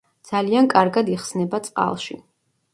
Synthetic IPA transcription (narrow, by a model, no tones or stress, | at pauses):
d̪z̥aliankʼaɾɡad̪iχsnɛbat̪sʼqʼa̰lˠʃi